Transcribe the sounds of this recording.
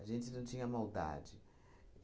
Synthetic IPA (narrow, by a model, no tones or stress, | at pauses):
aʒẽnt͡ʃɪnɐ̃w̃t͡ʃĩɲɐmawd̪a̰d͡ʒɪ